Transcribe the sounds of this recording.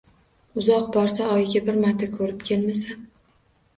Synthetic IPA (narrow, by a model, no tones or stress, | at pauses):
ʊzɒqbɒɾsaɒjɡʲabɪɾmaɾt̪ʰakʰɵɾɪpkʲʰe̞lmasan